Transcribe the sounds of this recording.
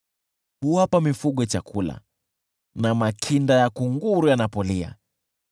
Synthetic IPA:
huapamifuɠɔat͡ʃakʰula̰ | namakʰindajakuŋɡuɾujanapɔlia̰

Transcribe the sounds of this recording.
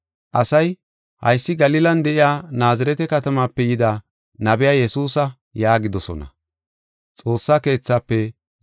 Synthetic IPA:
ʔɐsɐj | hɐ̰jsːɪɡɐlɪlɐnd̪ɛʔɪjaːnaːzɐɾɛt̪ɛkɐt̪ɐmaːpːɛjɪd̪a | nɐbɪjaːjɛsuːsɐ | jaːɡɪd̪ɔsɔ̰nɐ̰ | t͡sʼo̞ːsːaːke̞ːt͡sːaːpːɛ

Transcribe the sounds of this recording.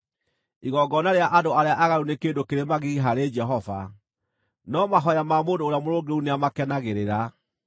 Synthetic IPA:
iɣɔɡɔnaɾeaʔadoaɾeaʔaɣaɾunekeːndokeɾemaɣiɦaɾed͡ʒɛɦɔva̰ | nɔmaɦɔjamamoːndoːɾeamoɾoɡeuneamakɛnaɣeɾeɾa

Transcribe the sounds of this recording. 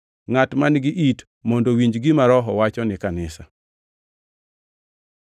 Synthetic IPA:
ŋatmanɡɪʔit | mɔndowiɲd͡ʒɡɪmaɾɔɦɔwat͡ʃɔnɪkanɪsa

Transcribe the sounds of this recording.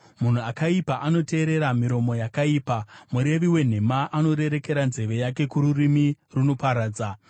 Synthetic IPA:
mun̤uakaipaʔano̞te̞ːɾe̞ɾamiɾo̞mo̞jakaiːpamuɾe̞ʋiwe̞n̤e̞maʔano̞ɾe̞ɾe̞ke̞ɾanze̞ʋe̞jake̞kuɾurimiruno̞paɾaːd͡za

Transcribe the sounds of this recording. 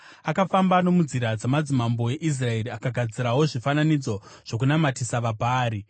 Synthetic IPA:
akafambano̞mud͡ziɾad͡zamad͡zimambo̞je̞ʔis̬rae̞ɾiakaɡʱad͡ziɾawo̞ʐifananid͡zo̞ʐ̥o̞k̬unamatisaʋabʱaːɾi

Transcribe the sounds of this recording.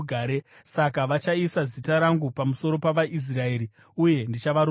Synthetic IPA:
aːɾe | sakaʋat͡ʃaisazitaɾaŋɡupamuso̞ɾo̞paʋaʔis̬rae̞ːɾi | uje̞ndit͡ʃaʋaɾ

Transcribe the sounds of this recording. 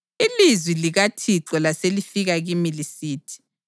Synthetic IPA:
ilizwiliɣatʰiǁɔlaselifiɣaɣimilisiːtʰi̥

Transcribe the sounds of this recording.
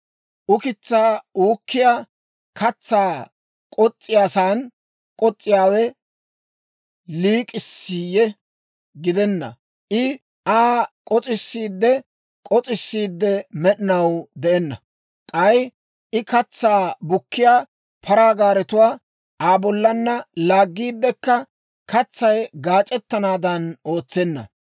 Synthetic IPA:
ʔʊkɪt͡sːaːuːkːɪja | kʰɐt͡sːaː | kʼɔt͡sʼːɪjaːsaːn | kʼɔt͡sʼːɪjaːwɛ | liːkʼɪsːiːjɛ | ɡɪd̪ɛnːɐ̰ | ʔɪ | ʔaːkʼɔt͡sʼɪsːiːd̪ːɛ | kʼɔt͡sʼɪsːiːd̪ːɛmɛɗɪnɐwd̪ɛʔɛnːɐ̰ | kʼɐj | ʔɪkɐt͡sːaːbʊkːɪjaː | pʰɐɾaːɡaːɾɛt̪ʊwaː | ʔaːbɔlːɐnːɐlaːɡːiːd̪ːɛkːɐ | kɐt͡sːɐjɡaːt͡ʃʼɛt̪ːɐnaːd̪ɐno̞ːt͡sːɛnːɐ̰

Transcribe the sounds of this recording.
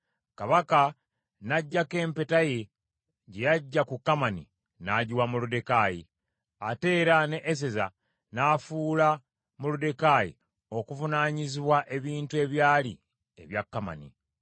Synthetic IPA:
kaβaka | naɟːake̞ːmpe̞taje̞ | ɟe̞jaɟːakukːamanḭ | naɟiwamulude̞kaji | ate̞ːɾane̞ʔːs̬eza | nafuːla | mulude̞kajḭ | o̞kuvunaːɲiziβwaʔe̞βiːntue̞βjaːlḭ | e̞̰βjakːama̰nḭ

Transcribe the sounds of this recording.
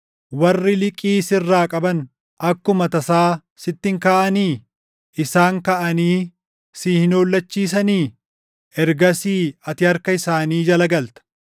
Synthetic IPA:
wɐrːɪlɪkʼiːsɪrːaːkʼɐbɐn | ɐkːʊmɐt̪ɐsaː | sɪt̪ːɪŋkaːʔɐniː | ʔɪsaːŋkɐʔɐniː | siːhɪnoːlːɐt͡ʃːiːs̬ɐniː | ʔɛɾɡɐsiːɐt̪ɪhɐɾkɐɪsaːniːd͡ʒɐlɐɡɐlt̪ɐ̥

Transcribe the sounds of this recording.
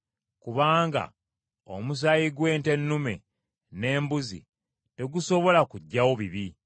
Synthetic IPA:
kuβaːŋɡa̰ | o̰mus̬ajiɡwe̞ːnte̞nːume̞̰ | ne̞ːmbuzḭ | te̞ɡuso̞βo̞lakuɟːawoβiβi

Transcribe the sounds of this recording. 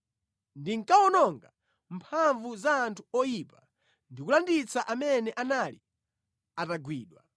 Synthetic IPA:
ndiŋkaɔnɔŋɡa | mpʰaɱvuzaːntʰuɔjipa | ndikulandit͡saʔamɛnɛʔanalḭ | ataɡwiːɗwa̰

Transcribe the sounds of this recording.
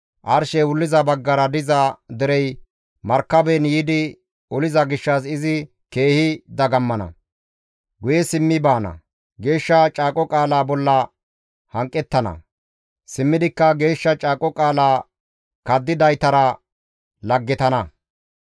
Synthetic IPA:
ʔɐɾʃɛwʊlːɪzɐbɐɡːɐɾɐd̪ɪzɐd̪ɪɾɛj | mɐɾkːɐbɛnjiːd̪ɪ | ʊlɪzɐɡɪʃːɐsɪzɪ | ke̞ːhɪd̪ɐɡɐmːɐnɐ̰ | ɡʊjɛsɪmːɪbaːnɐ̰ | ɡe̞ːʃːɐt͡ʃʼaːkʼɔkʼaːlaːbɔlːɐ | hɐŋkʼːɛt̪ːɐnɐ̰ | sɪmːɪd̪ɪkːɐɡe̞ːʃːɐt͡ʃʼaːkʼɔkʼaːlaː | kɐd̪ːɪd̪ɐjt̪ɐɾɐ | lɐɡːɪt̪ɐnɐ

